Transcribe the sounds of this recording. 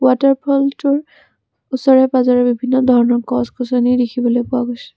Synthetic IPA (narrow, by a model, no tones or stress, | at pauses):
wataɹpʰɔltʊɹ | usɔɹɛbazaɹɛbibʱinːɔdʱɔɹɔnɔkɔskʰɔsɔnidikʰibɔlojpʊaɡojsɛ̥